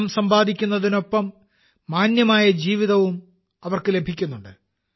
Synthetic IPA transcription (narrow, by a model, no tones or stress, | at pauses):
msɐmbaːd̪ʱikʲːunːɐðino̞pːɐmː | aːnjɐmaːjɐd͡ʑiːʋiðɐʋum | ɐʋɐrkɨle̞bʱikʲːunːuɳɖɨ